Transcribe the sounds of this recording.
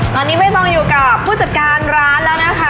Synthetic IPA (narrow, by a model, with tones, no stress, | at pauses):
t̪ɔː˧nːiː˦˥ma˥˩jmɔː˧ŋjuː˨˩ka˨˩pʰːuː˥˩t͡ɕa˨˩t̪̚kaː˧nɾaː˦˥nlɛː˦˥wna˦˥kʰa˦˥˩